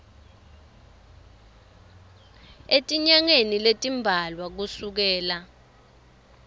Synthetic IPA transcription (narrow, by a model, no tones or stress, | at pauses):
etʼiɲaŋeniletʼimbʱalwak̬usuk̬ɛːla